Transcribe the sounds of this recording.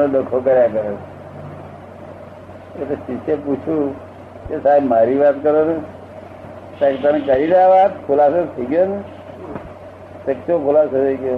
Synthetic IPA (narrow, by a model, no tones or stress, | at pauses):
noləkʰokəɾjakəɾe | etesiseput͡ʃʰũ | kesaibmaɾiʋat̪kəɾone | t̪ãket̪ənekəɾineaʋat̪kʰulasot̪ʰəiɡjone | səksokʰʊlasot̪ʰəiɡjo